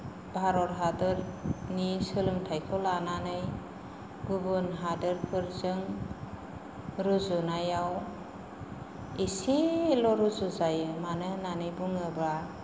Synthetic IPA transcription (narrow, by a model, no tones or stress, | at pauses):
bʱaɾɔtɦadɯɾnisɯlɯŋtʰajkʰɔlananɯj | ɡubɯnɦadɯɾpʰɯɾzɯŋ | ɾuzunajaw | isilɔɾuzuzajɯmanɯnanɯjbuŋɯba